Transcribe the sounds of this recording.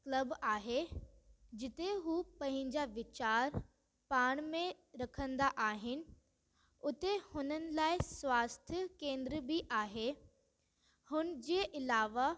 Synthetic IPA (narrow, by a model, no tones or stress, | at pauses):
klɐbaːɦe | d͡ʑɪt̪eɦuːpɐ̃ɦɪ̃ɲd͡ʑaʋɪt͡ɕaːɾ | paːɽ̃mẽ | ɾɐkʰə̃nd̪aʔaːɦɪnɪ̆ | ʊt̪ehʊnənɪ̆laːɪswaːst̪ʰjəkẽːnd̪ɾəbiʔaːɦe | hʊnə̆d͡ʑeːʔɪlaːʋa